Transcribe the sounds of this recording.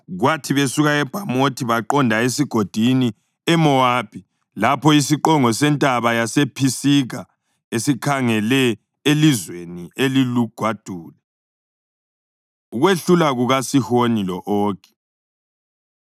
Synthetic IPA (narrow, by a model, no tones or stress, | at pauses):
ɣwatʰiβesuɣaɛb̥ʱamotʰiβaǃɔndʱaesiɡ̥ʱod̥ʱini | ɛmɔaːpʰʼi | lapʰɔisiǃɔŋɔsɛntʼaβajasepʰisiɣa | esikʰaŋɛlɛ | elizwenieliluɡ̥ʱwad̥ʱuːlɛ | uɣweɬulaɣuɣasihonilɔʔɔːɡ̥ɛ̥